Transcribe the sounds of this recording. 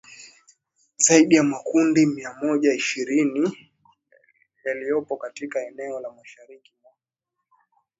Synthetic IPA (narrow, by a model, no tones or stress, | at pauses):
zaiɗijamakundimiamɔʄaiʃiɾini | jalijɔpɔkatikaɛnɛɔlamaʃaɾikimak